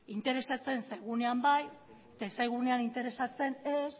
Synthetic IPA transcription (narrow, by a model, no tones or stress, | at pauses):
int̪e̞ɾe̞sat͡se̞nsajɣ̞une̞ambaj | t̪asajɣ̞uneanint̪e̞ɾe̞sat͡se̞nes